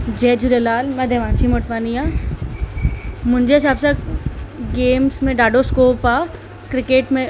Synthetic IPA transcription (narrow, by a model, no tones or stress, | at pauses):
d͡ʑɛːd͡ʒuɾelaːlmɐd̪ʱjɐʋãːnt͡ʃʰimoʈʋaːniaː | mʊ̃ɦɪ̃ɲd͡ʑesaːbsa | ɡeːmsmẽɖaːɖoskoːpaː | kɾɪkeːʈmẽ